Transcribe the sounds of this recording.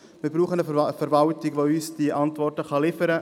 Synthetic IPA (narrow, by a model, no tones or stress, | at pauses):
mɪɾbɾuːχənəfɛɾvɑltɪɡʋoyːsd̥iʔɑntvɔrtəχɑlɪfəɾə